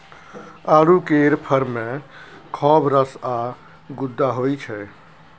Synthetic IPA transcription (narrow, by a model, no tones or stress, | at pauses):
aːɽukeɾpʰəɾmekʰɔbɾəsa | ɡud̪ːaɦojt͡ʃʰɛ